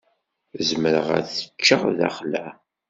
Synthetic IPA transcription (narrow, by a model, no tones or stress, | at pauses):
zməɾəʁæ̰θə̥t͡ʃːəʁðæ̰χlæ